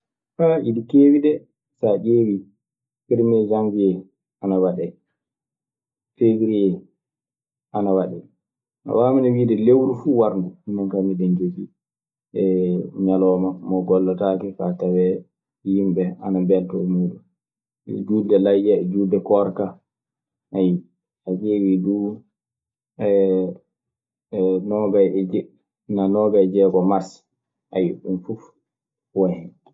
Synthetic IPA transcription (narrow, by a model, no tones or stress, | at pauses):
faidikeːwidɛ | saɗeːwi | piɾmɛd͡ʒaŋɡijɛ | ʔanawaɗɛ | fewiɾijɛ | ʔanawaɗɛ | na̰waːminɛwiːdɛlewɾufuwaɾnduhinːankamiɗɛnd͡ʒoki | ʔɛɲalɔːmamɔɡɔlːataːkɛfatawɛ | jimbɛanabɛntɔɛmudṵ | d͡ʒuːdɛlajd͡ʒad͡ʒudɛkɔɾka | ʔaji | ad͡ʒeːwiduː | ɛ | nɔɡajɛd͡ʒɛ | nanɔːɡajd͡ʒɛɡɔmaɾs | ʔajiɗunfuf | wahɛ